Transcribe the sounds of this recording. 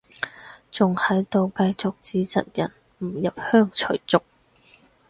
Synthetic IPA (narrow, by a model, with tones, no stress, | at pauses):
t͡sʊ˨ŋhɐ˨˥jt̪o˨˧wkɐ˧jt͡sʊ˨k̚t͡siː˨˥t͡sɐ˨t̚jɐ˨˩n | m̩˨˩jɐ˨p̚hœː˥ŋt͡ʃʰɵ̰˨˩ɥt͡sʊ˨k̚